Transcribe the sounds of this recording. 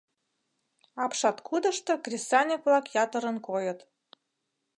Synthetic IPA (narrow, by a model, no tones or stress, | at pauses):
ɑpʃɑt̪kʰud̪ɤ̆ʃt̪ɤ̆krʲesɑnʲekβlɑkjɑt̪ə̆ɾə̆nkojə̆t̪